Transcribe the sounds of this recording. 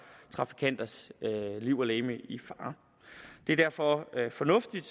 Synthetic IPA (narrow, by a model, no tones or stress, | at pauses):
t͡sʰʁɑ̈fi̥kʰæn̰d̥ɐsliʊ̰ɐleːməʔifɑ̈ː | d̥e̝ɐd̥æɐ̰fɒfɒ̽nɔ̽fd̥id̥